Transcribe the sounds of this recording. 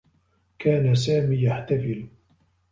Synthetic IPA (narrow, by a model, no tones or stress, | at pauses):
kʰaːnas̬aːmiːjaħt̪afɪl